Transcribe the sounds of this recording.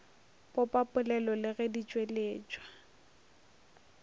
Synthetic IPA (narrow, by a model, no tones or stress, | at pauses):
pɔpʼapʼʊlɛlɔlɪɣɛdit͡ʃʼweleːt͡ʃʼwa